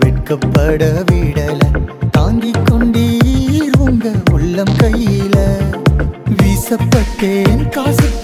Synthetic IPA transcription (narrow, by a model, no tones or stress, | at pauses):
ʋɛʈkɐpːɐɽɐʋiːɽɐlɐt̪aːŋɡɪkːɔɳɖiɾʋɔŋɡɐʊɭːɐmkɐjːɪlɐ | ʋiːsɐpːɐʈːeːnkaːsɐ